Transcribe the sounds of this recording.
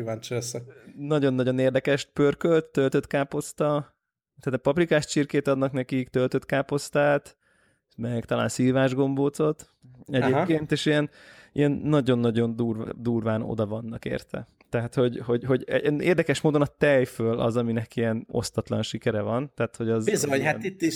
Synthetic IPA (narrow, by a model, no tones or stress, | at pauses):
kivaːnt͡ʃɛsɛnɒɟo̞nːɒɟo̞neːrd̪ɛkɛʃt̪pørkølt̪ːølt̪øt̪kaːpo̞st̪ɒ | t̪aːt̪pɒprikaːʃt͡ʃirkeːt̪ɒd̪nɒknɛkikt̪ølt̪øt̪kaːpo̞st̪aːt̪ | mɛkt̪ɒla̰ːnsiːvaːʒɡo̞mboːt̪so̞t̪ | ɛɟeːpkeːnt̪eːʃijɛn | ijɛnːɒɟo̞nːɒɟo̞nd̪uːrd̪uːrvaːno̞̰d̪ɒvɒnːɒkḛːrt̪ʰɛ̰ | t̪ɛɦat̪ho̞ɟho̞ɟho̞ɟ̰nḛːrd̪ɛkɛʃmoːd̪o̞nɒt̪ɛjføːlʔɒ̰zɒminɛkiɛno̞̰st̪ɒt̪lɒ̰nʃikɛɾɛvɒnt̪ɛːt̪ho̞ɟɒzbizoɲhait̪ːiʃ